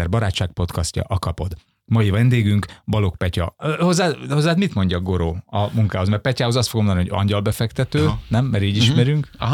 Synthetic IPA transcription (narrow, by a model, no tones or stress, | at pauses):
ɛrbɒɾaːtʃaːk̚po̞t̪kɒscɒ̰ʔɒkɒpo̞d̪ | mɒjivɛnd̪eːɡyŋkbɒlo̞k̚pɛcɒ̰ho̞zːaːho̞zːaːt̪mit̪mo̞ɲɟɒɡo̞ɾoːɒmuŋkaːɦo̞zmɛrpɛcaːɦozɒst̪foɡmonioɟɒ̰ɲɟɒlbɛfɛkt̪ɛt̪øːnɛmːɛɾiːɟiʃmɛɾyŋk